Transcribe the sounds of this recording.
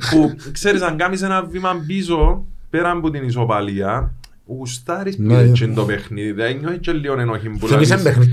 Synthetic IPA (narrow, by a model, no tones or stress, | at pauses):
pukseɾisɐŋɡɐmis̬enɐvːimɐmbis̬opeɾɐmbut̪inis̬opɐliɐ | ɣust̪ɐɾispiet͡ʃːind̪opexniðiðiɐeɲːoθit͡ʃːelːionenoçimbulɐisebexni